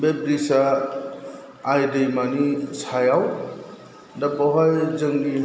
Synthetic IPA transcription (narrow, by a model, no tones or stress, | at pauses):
bebɾisa | jd̪əjmanit͡sʰajaw | dʌbɔɦʌjd͡zʌŋɡi